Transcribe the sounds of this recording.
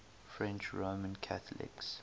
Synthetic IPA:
fɹɛ̃nt͡ʃɹomə̃nkʰaθəlɪ̰ks

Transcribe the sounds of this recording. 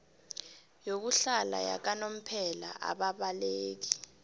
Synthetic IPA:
jok̬uɬala̰ja̰k̬anom̩pʰɛla̰ʔa̰ɓaɓaleːk̬i

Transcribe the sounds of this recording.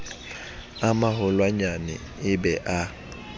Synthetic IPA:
amaɦʊlwaɲanɛ̰ | ɪbɛʔa

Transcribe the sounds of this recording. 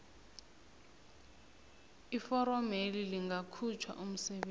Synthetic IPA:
ifɔɾɔmeliliŋɡʱakʰut͡ʃʰwa̰ʔum̩sɛɓeː

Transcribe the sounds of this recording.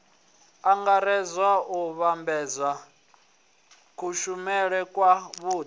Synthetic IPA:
aŋɡaɾɛzwauβambɛːzwa | kʰuʃumɛɺɛkʼwaβuː

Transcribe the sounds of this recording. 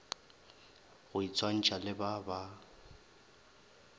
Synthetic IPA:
ɣʊit͡sʰʼwan̩t͡ʃʼalɪbaba

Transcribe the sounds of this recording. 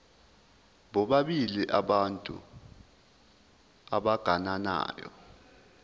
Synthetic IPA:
ɓɔɓaɓiliʔaɓantʼṵ | aɓaɡ̥ʱanana̰ːjɔ̰

